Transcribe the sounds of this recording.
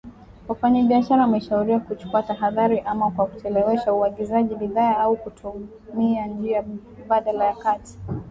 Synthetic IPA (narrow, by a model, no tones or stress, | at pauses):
wafaɲaɓiaʃaɾamɛʃauɾiwakut͡ʃu̥kuataɦaðaɾiʔamakwakutɛlɛwɛʃauaɠizaʄibiðaːaukutʰu | miand͡ʒia | ɓaɗalajakati̥